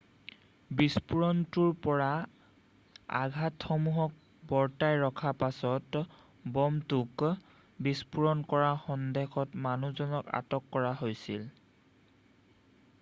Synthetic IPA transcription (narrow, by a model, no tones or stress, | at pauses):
bispuɹɔntuɹpɔɹa | a̰ɡʱatxɔmuɦɔk̚ | bɔɹtajɹɔkʰapasɔt | bɔmtuk | bispuɹɔnkɔɹaxɔndexɔtmanuzɔnɔka̰tɔkːɔɹaɦojsil